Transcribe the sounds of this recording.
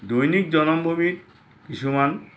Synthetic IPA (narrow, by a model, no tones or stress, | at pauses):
d̪ojnik̚d͡ʑɔnombʱobiɾ | kiʃuman